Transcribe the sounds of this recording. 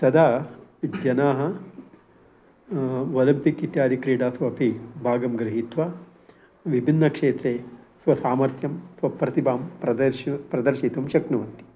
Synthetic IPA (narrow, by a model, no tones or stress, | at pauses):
t̪ɐd̪ʱaːd͡ʒjɐnaːɦɐ | ʋɐlɐmpikit̪jaːd̪ikɾiːɖaːsʋɐːpibʱaːɡɐmɡɾɐɦit̪ʋaː | ʋibʱinːɐkʂeːt̪ɾeːsʋɐsaːmɐɾt̪ʰjɐmsʋɐpɾɐt̪ibʱaːmpɾɐd̪ɐpɾɐd̪ɐɾʃit̪umʃɐknɐʋɐnt̪i̥